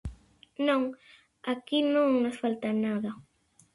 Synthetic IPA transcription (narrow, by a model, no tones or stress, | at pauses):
noŋ | akinoŋnasfalt̪anaða